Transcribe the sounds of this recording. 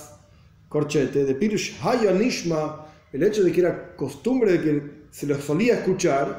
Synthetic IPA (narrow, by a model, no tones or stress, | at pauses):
koɾt͡ʃet̪eðepiɾuʃhaʎoaniʃma | elet͡ʃoðekeeɾakost̪umbɾeðekeseloesoliaeskut͡ʃaɾ